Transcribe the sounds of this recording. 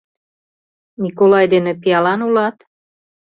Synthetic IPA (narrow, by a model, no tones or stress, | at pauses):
nikolɑjd̪enĕpiɑlɑnulɑt̪